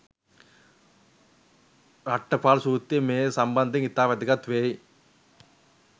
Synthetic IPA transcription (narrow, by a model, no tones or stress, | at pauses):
ɾɐʈːɐpaːlsuːt̪ːimeːsɐmbɐnd̪iŋɪt̪ːaːʋɐd̪ɯkɐt̪ʋeːj